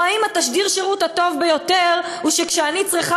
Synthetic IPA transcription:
aimat̪aʃdiʁʃeʁut̪hat̪o̞vbejo̞t̪eʁuʃekʃeanit͡sʁiχa

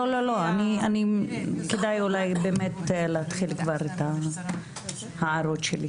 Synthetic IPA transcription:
lolo̞lo̞anianikedajulajbeːmetleat̪χilkvaɾeta | haaɾo̞tʃeli

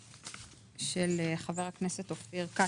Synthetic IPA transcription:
ʃeleχaveʁhakneset̪ofiʁka

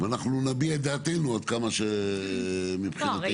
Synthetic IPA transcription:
vanaχnunabied̪aːt̪enuad̪̚kamaʃe | mipχina

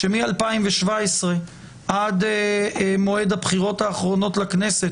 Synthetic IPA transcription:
ʃemialpaimveʃvaesʁe̞ | ʔad̪emo̞e̞d̪habχiʁo̞thaːχʁo̞no̞tlakne̞se̞t

